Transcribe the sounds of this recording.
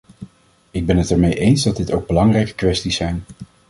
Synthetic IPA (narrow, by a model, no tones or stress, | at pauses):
ɪɡ̚bɛnɦətɛɹmejʔejnzdɑdɪtowɡ̚bəlɑŋrɛjkə̥kʋɛstisɛjn